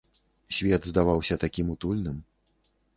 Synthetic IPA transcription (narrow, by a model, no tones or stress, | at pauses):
sʲvʲɛd̪zd̪avawsʲɐt̪akʲimut̪ulʲnɨm